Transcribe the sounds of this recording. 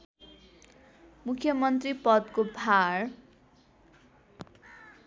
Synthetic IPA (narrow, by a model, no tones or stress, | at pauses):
mukʰːjʌmʌnt̪ripʌd̪kobʱar